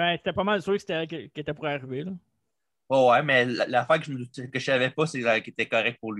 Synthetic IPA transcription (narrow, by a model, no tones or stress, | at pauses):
bɛ̃se̥t̪ɛpʌmald̪suvekse̥t̪ɛkʲəkʲet̪ɛpuʁaʁivelɔ | ɛwɛmɛlalafæːʁkəʒəməd̪ut̪ɛkəʒavɛpʌsɛakʲet̪ɛkɔʁɛk̚t̪̚puʁlɥ